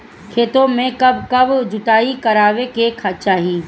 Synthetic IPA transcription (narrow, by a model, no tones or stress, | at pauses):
kʰeːt̪õmẽkɐbkɐbd͡ʒʊʈ̪aːikɐɾaːwekeːkʰat͡ʃaːɦi